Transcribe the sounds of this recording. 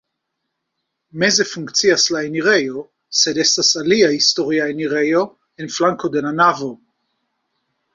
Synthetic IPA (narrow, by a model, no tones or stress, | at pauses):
mezefuŋkt͡siaslaeniʁejo | sed̪esasaliahist̪oʁjaeniʁejo | enflaŋkod̪enanavo